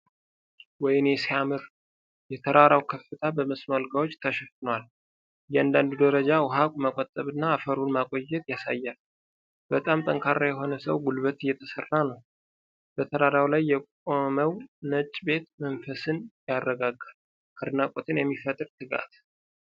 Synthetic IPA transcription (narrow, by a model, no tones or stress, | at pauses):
wɔjnjɛsiamɨɾ | jɛt̪ʰəɾaɾawkʰəfːɨt̪ʰabəməsmalɡawo̞t͡ʃːt̪ʰəʃɛfɨnwal | jɛand̪and̪ud̪əɾəd͡ʒawʊɦakʼməkʼɔt̪ʼːəβɨnːaːfəɾunmakʼo̞jːɛt̪jasa̰jːal | b̥ət̪ʼamt̪ʼəŋkʰarːajɛɦo̞nəsəwɡulβət̪ɨjːɛt̪ʰəsərːanəw | b̥ət̪ʰəɾaɾawlajːɛkʼoməwnət͡ʃʼːbe̞t̪məɱfəsɨnjarːəɡaɡːal | kʰəɾnakʼot̪ʰɨnjɛmːifət̪ʼɨɾt̪ʰɨɡa̰t̪